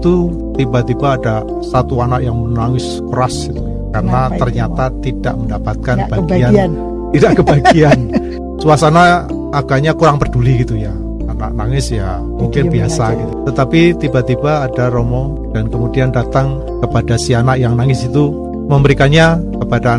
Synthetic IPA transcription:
it̪u | t̪ibat̪ibaːda | sat̪uanaʔjaŋmənaŋɪs | kəɾasit̪u | kaɾənat̪ərɲat̪at̪id̥a̰ʔməndapat̪̚kanb̥aɡiannn | t̪idaʔkəbaɡian | suasanaː | ɡ̥aɲakuɾaŋpərduliɡit̪uja | ana̰ʔ̚naŋɪsja | muŋkɪnbiasaɡit̪ut̪ət̪apit̪ibat̪ibaːdaɾomɔ | d̥ankəmudiandat̪aŋ | kəpadasianaʔjaŋnaŋɪsit̪u | məmbəɾikanɲakəpada

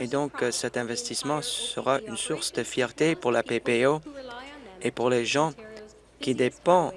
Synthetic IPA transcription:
ed̪ɔ̃ksɛt̪ɛ̃vɛst̪ismɑ̃əʁaʔynsuʁsd̪əfjɛʁt̪epuʁlapepeo | epuʁleʒɑ̃ | kʲid̪epɑ̃

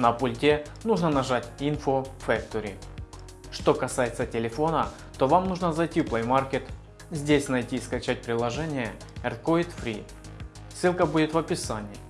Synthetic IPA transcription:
nɐpʊlʲtʲe | nuʐnənɐʐatʲinfofɛk̚t̪oɾʲɪ̰ | ʂt̪o̞kɐsajɪt̪sətʲɪlʲɪfo̞nə | t̪o̞vamnuʐnəzɐjtʲiplˠəjmarkʲet̪ | zʲdʲesʲnɐjtʲiskɐt͡ɕæt̚ʲpɾʲɪlˠɐʐɛnʲɪjə | ɛrt̪koɪt̪fɾʲḭ | sɨlˠkəbudʲɪt̪vɐpʲɪsanʲɪ

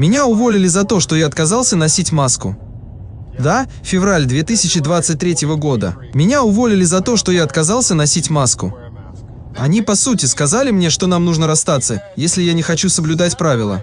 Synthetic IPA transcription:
mʲɪnʲaʊvo̞lʲɪlʲɪzɐt̪o̞ʂt̪o̞jaɐt̪kɐzalˠsʲənɐsʲitʲmaskʊ̰ | d̪a | fʲɪvralʲd̪vʲet̪ɨsʲɪt͡ɕɪd̪vat̪sɨt̚ʲt̪ʲɾʲetʲɪvəɡo̞d̪ə̰ | mʲɪnʲaʊvo̞lʲɪlʲɪzɐt̪oʂt̪o̞jaɐt̪kɐzalˠsʲənɐsʲitʲmaskʊ̰ | ɐnʲipɐsutʲɪskɐzalʲɪmnʲe̞ʂt̪onamnuʐnəɾɐst̪at̪səjesʲlʲɪjanʲɪxɐt͡ɕusəblʲʊd̪atʲpɾavʲɪlˠə̰

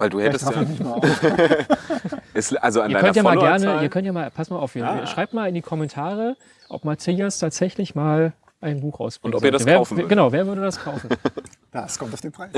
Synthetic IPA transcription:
vaɪlduːhɛtəsɪma | ʔɛsʔalzoa̰niɐdaœntjammaːlɡɛɐnəiːɐkʰœntjaːmaːlpʰasmaːlʔaʊfiːʃʁ̥aɪp̚tmaːlɪndikʰɔmɛntʰaːʁə | ʔɔ̰pmaɐtʰiːastʰaːtz̥ɛçlɪçmaːl | ʔaɪnbuːχʔa̰ʊsb̥ɪʊntɔiːɐtəveːɐf̩ɡənaʊveːɐvʏɐdədaskʰaʊfn̩d̥askʰɔmtaʊfd̥enpʁ̥aɪ

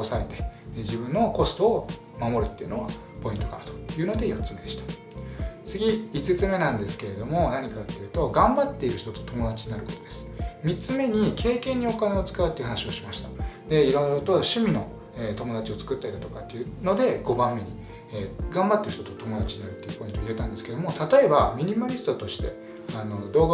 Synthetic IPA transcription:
osae̞t̪e̞̥d͡ʑibɯ̟̃nːo̞ko̞sɨ̥t̪o̞ː | mamo̞ɾɯ̟t̪ːe̞iɯ̟no̞ɡa | po̞ĩnt̪o̞kaɾat̪o̥jɯ̟ːno̞d̪e̞jo̞tt͡sɨmed̪eɕi̥t̪ḁ | t͡sɨɡʲiit͡sɨt͡sɨme̞nãnd̪e̞sɨ̥ke̞ɾe̞d̪o̞mo̞naɲ̟ikat̪ːejɯ̟t̪o̞ɡãmbat̪ːe̞iɾɯ̟çi̥t̪o̞t̪ot̪o̞mo̞d̪at͡ɕiɲ̟inaɾɯ̟ko̞t̪od̪̥e̞sɨ̥mʲit͡sɨme̞ɲ̟ikʰe̞ːkẽ̞ɲ̟ːio̞kane̞o̞t͡sɨ̥kaɯ̟t̪ːei̟hanaɕio̞ɕimaɕi̥t̪ad̪e̞iɾõ̞nːot̪o̞ɕɨmʲino̞ | et̪o̞mo̞d̪at͡ɕio̞t͡sɨ̥kɯ̟t̪ːait̪at̪o̞kat̪ːeiɯno̞d̪e̞ɡ̥o̞bãmːe̞ɲ̟i | eɡãmbat̪ːeɾ̟ç̥t̪ot̪ot̪o̞mo̞d̪at͡ɕiɲ̟inaɾɯ̟t̪ːeiɯkoɲĩt̪oiɾet̪ãnd̪esɨ̥ke̞d̪o̞mo̞t̪at̪o̞e̞bamʲiɲ̟imaɾʲisɨ̥t̪o̞t̪o̞ɕi̥t̪e̞̰ | ano̞d̪o̞ːɡ

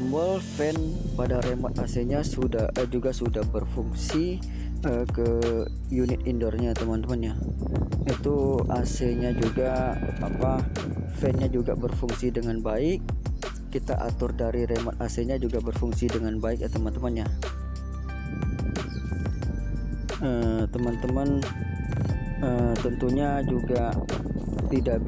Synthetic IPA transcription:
mbɔlfɛn | padaɾemɔt̪̚aseɲasudad͡ʒuɡasudahbərfuŋsi | əkə | junɪt̪̚indɔrɲat̪əmant̪əmanɲa | it̪uaseɲad͡ʒuɡaa̰pa | fɛnɲad͡ʒuɡa̰bərfuŋsidəŋanbaɪk̚ː | it̪a̰ʔa̰t̪ʊrdaɾiɾemɔt̪aseɲad͡ʒuɡabərfuŋsidəŋanbaɪk̚t̪əmənt̪əmənɲa | ət̪əmənt̪əmən | əmt̪ənt̪uɲad͡ʒuɡa | t̪idaʔ

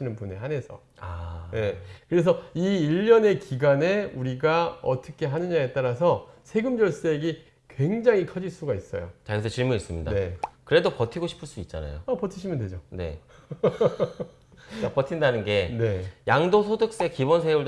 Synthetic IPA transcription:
inɯnpuneɦane̞sʰʌ̰ | anekɯɾe̞sʰʌiːʎːʌne̞kiɡane̞uɾiɡaʌ̰t͈ʌkʰe̞ɦanɯɲaet͈aɾas̬ʰʌsʰe̞ɡɯmd͡ʑʌɭs͈e̞ɡi | kwe̞ŋd͡ʑaŋikʰʌd͡ʑiɭs͈uɡais͈ʌjo̰t͡ɕais̬ʰʌt͡ɕiɭmunis͈ɯmɲidae̞kɯɾe̞dopʌtʰiɡoɕʰi̥pʰɯɭs͈uit̚t͡ɕ͈a̰na̰jo̰apʌtʰiɕʰimjʌndwed͡ʑone̞̰ | apʌtʰindanɯnɡe̞ne̞jaŋdosʰodɯk̚s͈ekibʌnsʰeuɭ

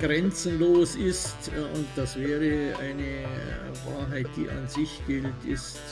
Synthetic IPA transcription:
ɡ̥ʁɛnt͡sn̩loːsɪstʊnt̚d̥asv̥ɛːʁəaɪnə | va̰ːɐɦaɪt̚d̥ḭːʔɑ̰nzɪçɡ̥ɪltʰɪst

